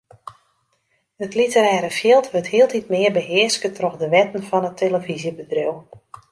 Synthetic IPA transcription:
ətlitəɾɛːɾəfjɪlˠtʋəthiːəlˠtʰitmɪːərbəɦɪəskətʰrɔxdəʋɛtən̩fɔnətʰeləvizjəbədrew

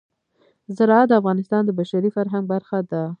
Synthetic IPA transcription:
zɪɾɑad̪əafɣɑnɪst̪ɑnd̪əbaʃaɾifaɾɦaŋɡ̚baɾxad̪a

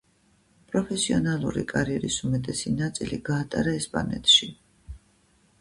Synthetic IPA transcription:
pʼɾɔpʰɛsiɔnalˠṵɾḭkʼaɾiɛɾisumɛt̪ʼɛsinat̪sʼiliɡaːt̪ʼaɾaɛspʼa̰nɛ̰t̪ʰʼʃi

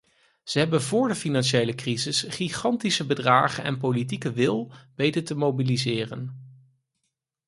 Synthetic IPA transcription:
z̥əɦɛbənvʊːɹdəfinɑnʃejləkrizɪsχiχɑntisəbədraːχənɛ̰np̬olit̬ikəʋɪlˠbejtəɹtəmowbilizɪːrə̰n

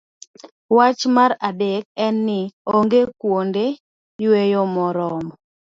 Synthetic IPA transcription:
wat͡ʃmaɾadek̚ɛnːɪoŋɡekwonde | jwejomɔɾɔmɔ

